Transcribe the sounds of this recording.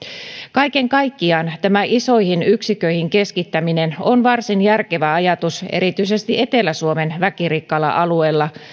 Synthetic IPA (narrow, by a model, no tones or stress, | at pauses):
kɑjke̞ŋkɑjkːiɑːnt̪æmæʔiso̞jhinyksikø̞jhiŋke̞skit̪ːæmine̞nonʋɑrsinjærke̞ʋæɑjɑt̪usḛɾit̪yise̞st̪iʔe̞t̪e̞lːæsuome̞nʋækirikːɑlɑ̰ʔɑlue̞ːlːɑ